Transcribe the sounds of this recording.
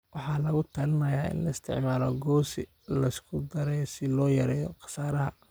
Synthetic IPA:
wɑħɑːlɐɣʊt̪ʰɐlɪnɐjaːɪ̰nlɐɪst̪ʰɪ̰ʕmaːlɔɡɔːsɪ | lɐɪskʰʊd̪ɐɾɛjsɪlɔːjɐɾɛːjɔqɑ̥saːɾɐɦɐ̰

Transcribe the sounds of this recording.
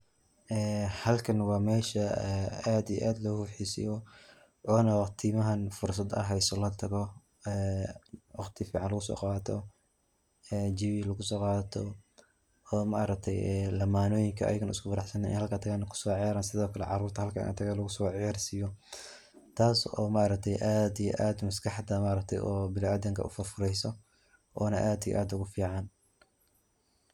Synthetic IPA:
ʔɛːhɐlkʰɐnwɑːmɛːʃɐɛaːd̪ijɛ̰ʔaːd̪lɔːhuːħiːsɪ̰jɔ | ʔɔːnɐwɑqt̪ʰiːmɐɦɐnfʊrs̬ɐd̪ɐ̰ɦɛjsɔlɐt̪ʰɐɣɔ | ɛːwɑqt̪ʰifiːʕɑnlɐɣʊsɔ̰ːqɑːt̪ʰɔ | ɛːd͡ʒɪβilɐɣʊsɔːqɑːt̪ʰɔ | ɔːmɐʔɑɾɐk̚t̪ʰɛjɛlɐmaːnɔːjɪŋkʰɐʔɐ̰jɪɣɐnʊ̰skʰʊfɐɾɑħsɐnɛʔɪ̰nhɐlkʰɐt̪ʰɐɣaːnɐkʰʊ̥sɔːʕɑjaːɾaːnsɪðɔːkʰɐlɛ̰ʕɑruːrt̪ʰɐhɐlkʰɐ̰ɪ̰nɐ̰t̪ʰɐɣaːlɐɣʊsɔːʕjɑːrsijɔ | t̪ʰaːsɔ̰ːmaʔɾɐk̚t̪ʰɛjʔaːd̪ijɔ̰ʔaːd̪mɐskʰɑħd̪ɐmaːɾɐk̚t̪ʰɛ̰jʔɔːbɪlaːd̪ɐŋkʰɐ̰ʔʊfʊrfʊɾɛjsɔ | ʔɔːnɐʔaːd̪ijɛ̰ʔaːd̪ʊɣʊfiːʕɑn

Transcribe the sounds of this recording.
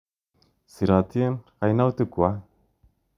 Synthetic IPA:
siɾɣat̪ienɣajnawt̪ukoa

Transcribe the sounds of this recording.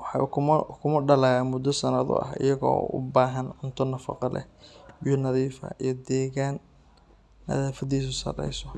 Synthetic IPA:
wɑħɑ̰kʰʊmkʰʊmɐɖɐlɐɣamʊd̪ɔsɐnɐðʊ̰ʔɐ̰hɪ̰jɐɣɔ̰ːʊ̰baːɦɐnʊnt̪ʰɔnɐfɑ̰qɑlɛ̰bɪjʊnɐðiːfɐ̰ʔijɔd̪ɛːɣaːnː | ɐ̰ðaːfɐðiːs̬ʊsɐ̰rɛ̰jsɔ

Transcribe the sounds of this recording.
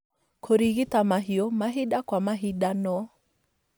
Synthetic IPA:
kʰoɾiɣitamaɦiɔmaɦiɗakwamaɦiɗanɔ

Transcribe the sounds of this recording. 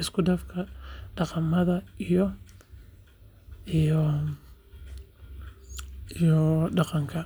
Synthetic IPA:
ɪskʰʊɖɐfkʰɐɖɑqɑmɐðɐijɔ | ijɔɖɑqɑŋkʰɐ

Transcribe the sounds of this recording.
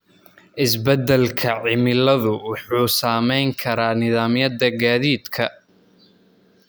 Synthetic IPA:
ʔɪsbɛd̪ɛlkʰɐʕɪmɪlɐðʊwɑħuːsaːmɛjŋkʰɐɾaːnɪðaːmjɐd̪ɐɡaːðiːd̪kʰɐ

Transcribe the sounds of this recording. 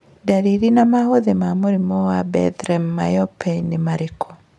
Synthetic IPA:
daɾiɾinamahoðemamoɾimɔwabɛ̰tɾɛmːajɔpɛnemaɾekʰɔ̥

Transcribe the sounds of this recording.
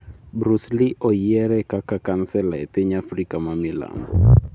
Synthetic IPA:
bɾusliʔɔiɛɾɛkakakansɛlaɛpeɲafrikamamila̰mbɔ̰

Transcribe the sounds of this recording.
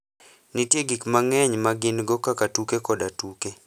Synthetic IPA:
nitjeɡikmaŋɛɲmaɡɪnɡɔkakatukekɔdatuke

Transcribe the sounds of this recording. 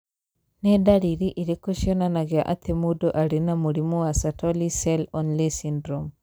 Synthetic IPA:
nedaɾiɾiʔiɾekuʃiɔnanaɡɛaʔat̪ʰemudɔʔaɾinamuɽimuwasatʰɔlisɛlɔnlesindɾɔm

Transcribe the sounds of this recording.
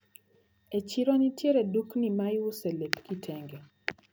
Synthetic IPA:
et͡ʃiɾɔnitjeɾeduknimajʊselepkitʰeŋɡe

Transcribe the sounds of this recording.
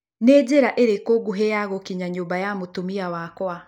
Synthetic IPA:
neːd͡ʒeɾaʔeɾekoɡuɦejaɣokiɲaɲoːmbajamotumiawakwa

